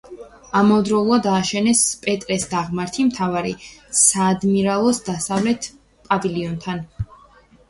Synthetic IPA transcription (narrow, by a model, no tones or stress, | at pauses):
amɔvd̪ɾɔlˠuad̪aːʃɛnɛspʼɛt̪ʼɾɛsd̪aʁmaɾt̪ʰimt̪ʰavaɾḭsaːd̪miɾalˠɔsd̪asavlɛt̪ʰ | pʼaviliɔnt̪ʰan